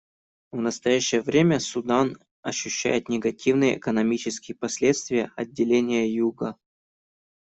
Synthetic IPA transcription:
vnəst̪ɐjæɕːɪjəvɾʲemʲəsʊd̪an | ɐɕːʉɕːæ̰jɪt̪nʲɪɡɐtʲivnɨjəʔːkənɐmʲit͡ɕɪskʲɪjəpɐsʲlʲet̪st̪vʲɪjəɐdʲːɪlʲenʲɪjəjuɡə

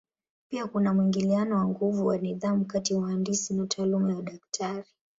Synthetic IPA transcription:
piakunamwiŋɡilianɔwaŋɡuvuwaniðamukatiauhandisinatʰaːlumajaɗaktʰaɾi

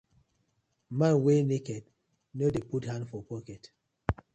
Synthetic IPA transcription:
mãnwenekɛd | nodeputhãndfɔpɔkɛt

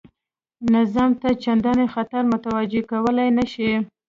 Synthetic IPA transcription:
nazɑmt̪at͡ʃand̪ɑnexat̪aɾmʊt̪awad͡ʒekawəlajnaʃi

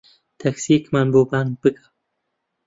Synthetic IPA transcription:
t̪ʰaksikmanbuban̚b̥ɨkḁ

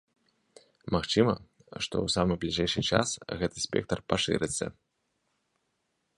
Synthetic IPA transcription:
maxt͡ʂɨmɐ | ʂt̪ɔ̰wsamɨblʲiʐɛjʂɨt͡ʂa̰sɣɛt̪ɨsʲpʲɛ̰k̚t̪ɐrpaʂɨ̰ɾɨt̪sːɐ̰

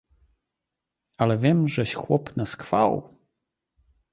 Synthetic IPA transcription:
alɛvʲjɛmʐɛɕxwɔ̰pnaskfa̰w

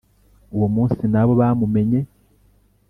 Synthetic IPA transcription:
uwomuːnsinaβo̞βamume̞ɲe̞

